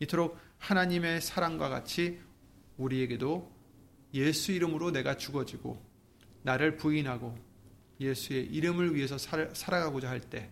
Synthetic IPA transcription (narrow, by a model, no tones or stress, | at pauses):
itʰoɾok̚hanaɲime̞sʰaɾaŋɡwaɡa̰t͡ɕʰi | uɾie̞ɡe̞do | je̞sʰuiɾɯmɯɾone̞ɡat͡ɕuɡʌd͡ʑiɡo̰ | naɾɯɭpuinɦaɡo | je̞sʰue̞ʔiɾɯmɯɭɥiɦe̞sʰʌsʰaɾaɡaɡod͡ʑaɦaɭt͈e̞